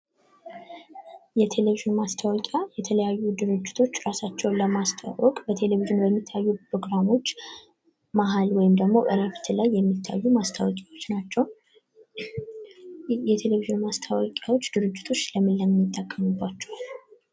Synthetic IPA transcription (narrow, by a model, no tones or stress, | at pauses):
jɛt̪ʰe̞leviʒɨnmast̪ʰawɔkʼjajɛt̪ʰələjajːud̪ɨɾɨd͡ʒːɪt̪ʰo̞t͡ʃːɾasat͡ʃːɛwləmast̪ʰa̰wɔkʼbət̪ʰe̞leviʒɪnbəmːit̪ʰːajːupɾoɡɾamo̞t͡ʃː | maɦalwɔjɪmd̪əɡmo̞ʔəɾafi̥t̪ʰɨlajːɛmːit̪ʰːa̰jːumast̪ʰawɔkʼawot͡ʃːnat͡ʃːɛw | jɛt̪ʰe̞leviʒɨnmast̪ʰawɔkʼjawot͡ʃːd̪ɨɾɨd͡ʒːɪt̪ʰo̞t͡ʃːləmɨlːəmːijɪt̪ʼːəkʼːəmubːat͡ʃːɛw